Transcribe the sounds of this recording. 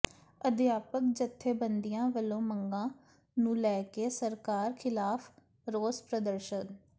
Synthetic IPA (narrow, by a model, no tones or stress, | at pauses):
əd̪jaːpək̚d͡ʒət̪ʰːeːbənd̪ijãːʋəlõːməŋɡãː | nũːlɛːkeːsəɾkaːɾkʰɪlaːpʰ | ɾoːspɾəd̪əɾʃən